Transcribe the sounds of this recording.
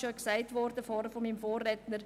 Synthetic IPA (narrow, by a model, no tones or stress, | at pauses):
ʃoksaɪtʋɔɾd̥əfɔːɾəfɔmimfoːrːɛtnəɾ